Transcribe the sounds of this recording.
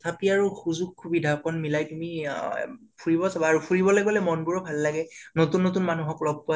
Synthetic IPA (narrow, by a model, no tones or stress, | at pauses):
tʰapiaɹuxuzuɡ̚kʰːubidʱakɔnmilajtumi | pʰuɹibɔsabaːɹupʰuɹibɔlaɡɔlɛmɔnɡuɹɔbʱalːaɡɛnotunːotunmanuɦɔklɔb̚ʱkʊa